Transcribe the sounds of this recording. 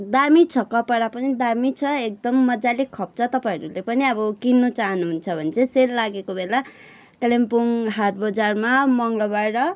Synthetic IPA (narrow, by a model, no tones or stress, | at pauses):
d̪amit͡sʰʌkʌpʌɽapʌnid̪amit͡sʰʌek̚d̪ʌmːʌd͡zalikʰːʌp̚t͡sʰʌt̪ʌpãʌɾulepʌniʌbʌkinːot͡saɦʌnuɦunt͡sʰʌbʱʌnet͡sʰʌselːaɡekobela | klempuŋɦarbʌd͡zarmamʌŋlʌbaʈʌ